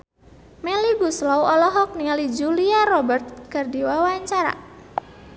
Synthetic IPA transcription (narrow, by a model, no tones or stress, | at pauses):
mɛliɡuslɔwɔlɔɦɔk̚niŋalid͡ʒuliarɔbərt̪̚kərdiwawaɲt͡ʃaɾa̰